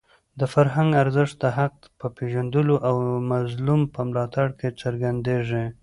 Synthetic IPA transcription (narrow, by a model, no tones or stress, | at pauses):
d̪əfaɾɦaŋɡaɾzɪʂt̪̚d̪əɦaq̚t̪pəpeʒand̪əloʔawmazlumpəmlɑt̪aɽket͡səɾɡand̪eʐe